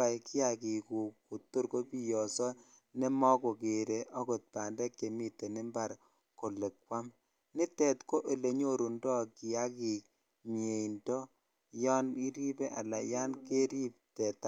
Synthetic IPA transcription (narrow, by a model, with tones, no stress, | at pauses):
a˨jki˦a˨ki˨ku˨ku˨to˦ɾko˦pi˦jɔ˨sɔ˦ | ne˦mɔ˦ko˨ke˨ɾe˨ʔɔ˦ko˨t̚pa˨ndɛ˦kːe˨mi˦tːe˨ne˦mba˨ɾ | ko˨le˨kwa˦m | ni˦tɛ˨tko˦ʔe˨le˨ɲo˦ɾu˨ndɔ˦ki˨a˦ki˨k̚ | ɲe˨indɔ˦ | jɔ˦ni˦ɾi˦bɛ˦ʔa̰˨la˨ja˦nke˦ɾi˦p̚tɛ˨ta˦